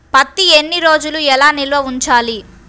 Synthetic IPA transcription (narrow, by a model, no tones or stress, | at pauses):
pɐt̪ːienːiɾo̞ːd͡ʒuluɛlaːnilʋɐuɲt͡ʃaːli